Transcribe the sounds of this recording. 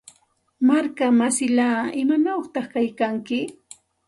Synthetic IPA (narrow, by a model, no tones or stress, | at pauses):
maɾkamasɪlaːɪmanaχt̪ɑχkajkaŋkɪ